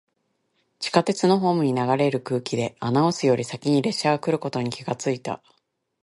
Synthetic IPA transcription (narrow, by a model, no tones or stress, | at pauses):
t͡ɕi̥kat̪e̞t͡sɨno̞ɦo̞ːmɯ̟ɲ̟inaɡaɾe̞ɾɯ̟kɯ̟ːkʲid̪e̞anaosɨjo̞ɾʲisakʲiɲ̟iɾe̞ɕːaɡakɯ̟ɾɯ̟ko̞t̪o̞ɲ̟ikʲiɡat͡sɨit̪a̰